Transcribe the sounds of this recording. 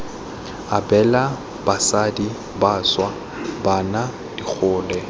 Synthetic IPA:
abɛla | b̥asadi | baswa | bana | d̥ik͡xʰʊːlɛ

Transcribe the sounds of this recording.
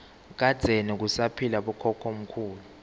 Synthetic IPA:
k̬ad̥z̥ʱenik̬usapʰilaɓɔkʰɔkʰom̩kʰuːlu

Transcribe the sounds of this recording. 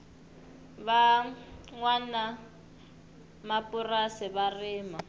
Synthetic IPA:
ba | ŋwana | mapʼʊrasɪβarɪːma

